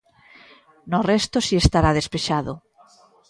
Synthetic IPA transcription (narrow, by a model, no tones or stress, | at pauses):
norɛst̪osiest̪aɾaðespeʃaðo̰